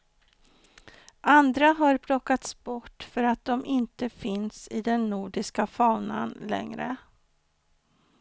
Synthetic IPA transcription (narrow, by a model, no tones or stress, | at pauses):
ʔand̪ɾaɦaɾpʰlɔkːat̪sbɔʈːfœɾat̪̚d̪ɔmʔɪnt̪əfɪnsɪd̪ɛnːuːɖɪskafɑːna̰nlɛ̰ŋɾə̰